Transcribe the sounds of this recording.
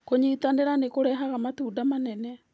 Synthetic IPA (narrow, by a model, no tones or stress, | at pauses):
koɲiːtaneɾanekoɾɛɦaɣamatuːdamanɛnɛ